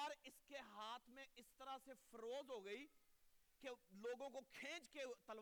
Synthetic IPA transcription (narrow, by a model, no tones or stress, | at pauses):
əɾɪskeɦaːt̪ʰmẽɪst̪əɾasefɐɾoːzɦoɡəi | keloːɡõkokʰẽːt͡ʃket̪əl